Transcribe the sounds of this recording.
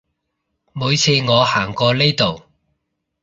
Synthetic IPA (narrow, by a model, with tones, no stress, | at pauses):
muː˨˧jt͡sʰiː˨˧ŋɔː˨˧haː˨˩ŋkɔː˧le˥jt̪o˨w